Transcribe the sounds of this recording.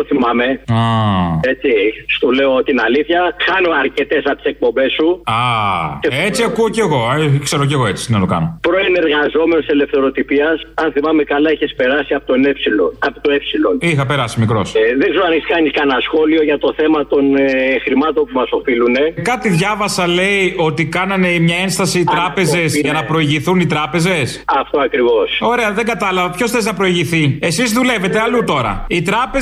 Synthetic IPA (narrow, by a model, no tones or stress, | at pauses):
oθimɐme̞ae̞t͡sist̪ule̞ot̪inɐliθçɐxɐno̞ɐɾce̞t̪e̞sɐt̪i̥sek̚po̞mbe̞sːuaceet͡siɐkuoceɣo̞ekseɾoceɣoet͡sist̪inɐt̪okɐ̰nopɾo̞ene̞ɾɣɐzo̞me̞nose̞le̞fθe̞ɾo̞t̪ipiɐsɐnθimɐme̞kɐlɐiçespe̞ɾɐsiɐpot̪o̞nepsiloɐpot̪o̞epsilo̞nixɐpeɾɐsimikɾo̞sðeɡzeɾoɐniskɐniskɐnɐsxo̞lio̞ʝɐt̪o̞θe̞mɐt̪o̞nxɾimɐt̪o̞npumɐso̞filune̞kɐt̪iðʝɐvɐsɐle̞io̞t̪ikɐnɐne̞mɲɐe̞nst̪ɐsiːt̪ɾɐpe̞ze̞sʝɐnɐpɾo̞iʝiθunit̪ɾɐpe̞ze̞sɐft̪oɐkɾivo̞so̞ɾe̞ɐðeŋɡɐt̪ɐlɐvɐpço̞sθeznɐpɾo̞iʝiθie̞sizðule̞ve̞t̪e̞ɐlut̪o̞ɾɐ̰it̪ɾɐpe